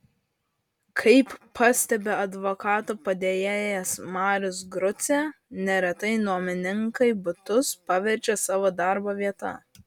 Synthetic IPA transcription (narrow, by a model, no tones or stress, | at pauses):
kʰɐɪpːɑsʲt̪ʲɛbʲeɐd̪ʋokɑːt̪oːpɐd̪ʲeːjeːjɛsmɑːɾʲʊsɡɾʊt̪sʲenʲɛɾʲɛt̪ɐɪnuɔmʲɪnʲɪŋkɐɪbʊt̪ʊspɑʋʲɛɾʲt͡ʃʲɛsɑːʋod̪ɑˑɾboːʋʲiɛt̪ɐ̰